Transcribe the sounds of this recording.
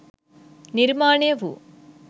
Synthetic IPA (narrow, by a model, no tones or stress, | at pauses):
niɾmaːɳeʋṵ